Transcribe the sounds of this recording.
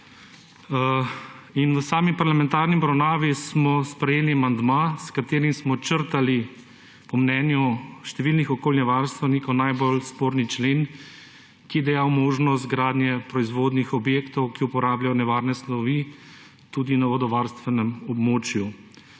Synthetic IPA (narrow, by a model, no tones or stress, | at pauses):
inʋəsaːmipaɾlamɛ̃nt̪aːɾnibɾɐwnaːʋismɔspɾɛjeːliamand̪maskat̪eːɾimsmɔt͡ʃəɾt̪ali | pɔmnɛːnjuʃt̪ɛʋilnixɔkoːlnɛʋaɾst̪ʋɛnikɔwnajbolspoːɾnit͡ʃleːn | kijɛd̪ɛjawmoːʒnɔst̪ɡɾaːd̪nʲjɛpɾɔizʋoːd̪nixɔbjeːkt̪ɔwkiupɔɾaːblʲjajɔnɛʋaːɾnɛslɔʋi | t̪ud̪inaʋɔd̪ɔʋaɾst̪ʋɛnɛmɔbmoːt͡ʃju